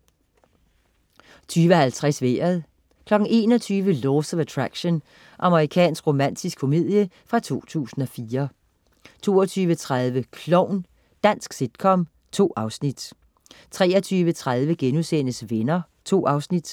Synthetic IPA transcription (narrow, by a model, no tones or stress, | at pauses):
t͡sʰyːʋəɦælt͡sʰʁɛsʋḛːɐðˠ | kʰlɒ̽ɡ̥n̩e̝̰ːnɒt͡sʰyːʋəloːsɒæt͡sʰʁaɡ̥ɕon | ʔɑ̈məʁikʰɛ̰ːnsɡ̥ʁo̝mæn̰d̥ʰisɡ̥ʰfo̝mið̞̰ˠjə | fʁɑ̈t͡sʰo̝̰ːt͡sʰṵːsn̩ɒ̽fiːɐ | t͡sʰo̝ːɒt͡sʰyːʋət͡sʰʁaðˠʋəkʰlɔʊn | d̥æn̰sɡ̥sid̥̚kʰɒ̽m | t͡sʰo̝̰ːɑ̈ʊsnid̥ | t͡sʰʁɛːɐt͡sʰyːʋət͡sʰʁað̞ˠʋəɡ̥enusen̰əsʋenɐ | t͡sʰo̝̰ːɑ̈ʊsnid̥